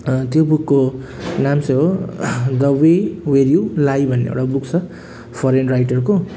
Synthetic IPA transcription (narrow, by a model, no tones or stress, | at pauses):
t̪jobukːo | namsʌɦod̪ʌwewerjulajbʱʌnːḛḛwɽabuk̚t͡sʰʌ | pʰʌɾenrajʈʌrko